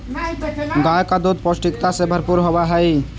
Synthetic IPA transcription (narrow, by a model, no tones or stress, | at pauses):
ɡajkad̪od̪̚pɔsʈikt̪asebʱəɾpuɾɦɔbaɦəj